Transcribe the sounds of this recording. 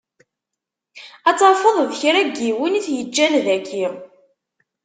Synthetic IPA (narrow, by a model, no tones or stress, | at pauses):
æt͡sːɑˤfəðˤðçɾæɡiwiniθjəd͡ʒːænðækːiʁ